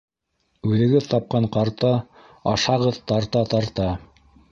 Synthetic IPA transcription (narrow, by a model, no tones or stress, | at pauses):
ʉðɘ̆ɡɘðt̪ɑp̚qɑɴqɑɾt̪ɑ | ɑ̰ʃɑʁɤðt̪ɑɾt̪ɑt̪ɑɾt̪ɑ